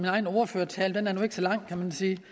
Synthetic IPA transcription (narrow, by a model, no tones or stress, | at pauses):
minɑ̈ɪn̩ɔʊɐføːɐt͡sʰɛːld̥enæɐnue̝ɡ̥əsɒ̽lɑ̈ŋ̰kʰæmænsiː